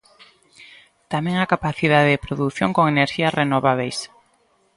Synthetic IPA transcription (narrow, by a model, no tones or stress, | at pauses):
t̪amɛ̃ŋakapaθið̞aðeðɪpɾoðuθjoŋkoŋeneɾʃiɐsrenoβaβejs